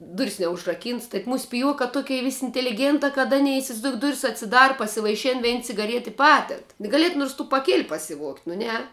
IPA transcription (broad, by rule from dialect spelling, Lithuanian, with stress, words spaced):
ˈdʊrʲɪs nʲɛʊʒrɐˈkʲiːnts tɐɪ ˈmuːs pʲɪˈjuɔkɑː ˈtʊkʲɛɪ ˈʋʲɪsʲ ɪnʲtʲɛlʲɪˈɡʲeːntɑː kɐt ˈɑːnʲɛɪ ɪsʲɪʋɐɪzˈdoːʊk ˈdʊrʲɪs ɐtʲsʲɪˈdɑːrɐ pɐsʲɪʋɐɪˈʃʲɪn ˈʋʲɛɪn t͡sʲɪɡɐˈrʲiɛt ɪ ˈpɑːdʲɛt ɡɐˈlʲiɛt nʊrs tuː pɐˈkʲeːlʲ pɐsʲɪˈʋuɔktʲ nʊ ˈnʲɛ